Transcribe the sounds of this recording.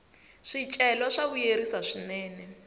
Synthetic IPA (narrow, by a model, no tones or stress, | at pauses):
ʂit͡ʃʼɛlɔʂaβujeɾisaʂinɛːnɛ